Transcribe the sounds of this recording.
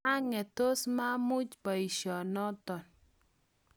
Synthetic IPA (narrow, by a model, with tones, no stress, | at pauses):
a˦ŋɛ˨to˦sma˦mʊ˦t͡ʃba˨i˨ʃɔ˨nɔ˦tɔ˨n